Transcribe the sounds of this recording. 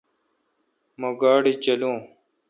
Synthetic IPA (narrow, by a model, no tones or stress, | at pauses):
mɐɡaːɽit͡ɕɐlũː